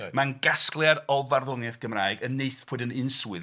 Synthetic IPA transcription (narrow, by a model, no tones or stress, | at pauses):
manɡ̥asklˠjaɾɔvarðɔnɛθɡ̥əmraːɨɡənːeɨθpʰoːɨdənɪnswɨð